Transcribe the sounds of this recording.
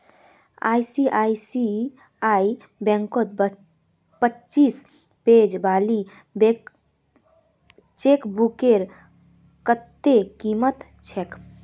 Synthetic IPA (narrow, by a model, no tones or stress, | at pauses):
a̰isiʔaisi | ai | bɛ̃ŋkot̪̚ | pətːt͡ʃiːs | ped͡ʒbaːli | be | t͡ʃekbukeɾ | kət̪ːekimət̪ | t͡ʃʰek